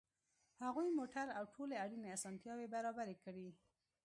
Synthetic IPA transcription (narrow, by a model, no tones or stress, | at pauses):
haɣujmoʈaɾawʈʰoleaɽineasɑnt̪jɑwebaɾɑbaɾekəɽi